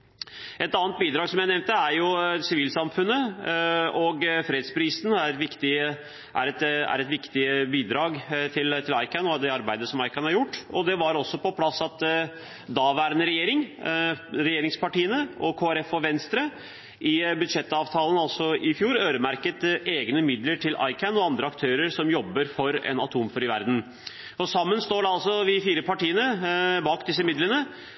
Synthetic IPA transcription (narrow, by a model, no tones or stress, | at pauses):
ɛt̪ɑːnt̪̚biːd̪ɾɑːɡsɔmjæɪnɛʋnt̪əæɾjʊsɪʋiːlsɑmfʉnːə | ɔɡfɾeːd̪spʰɾiːsnæɾɛt̪ʋɪkt̪ɪ | ʔæ̰ɾɛt̪æ̰ɾɛt̪ʋɪkt̪ɪbiːd̪ɾɑːɡt̪ʰɪlt̪ʰɪlɑɪkɑnɔd̪ɛɑɾbæɪd̪əsɔmɑɪkɑnhɑɾjʊʈːɔd̪ɛʋɑɾɔsːɔpɔpʰlɑsːɑt̪ | d̪ɑːʋæːɾənəɾɛjeːɾɪŋ | ɾɛjeːɾɪŋspɑʈiːənəʔɔkʰoːæɾɛfɔʋɛnst̪ɾə | ʔɪbʉd̪ʂɛt̪ːɑːʋt̪ʰɑːlən̩ɑlsɔɪfjuːɾøːɾəmæɾkət̪eːɡnəmɪd̪ləʈʰɪlʔɑ̰ɪkʰənɔɑnd̪ɾəɑkt̪ʰøːɾəɾsɔmjɔbːəɾfɔɾɛ̰nɑt̪ʰuːmføɾɪʋæ̰ɾd̪n̩ | ɔsɑmːənst̪oːɖɛɑlsɔʋɪfiːɾəpɑʈiːənəbɑːkd̪ɪs̬ːəmɪd̪lənə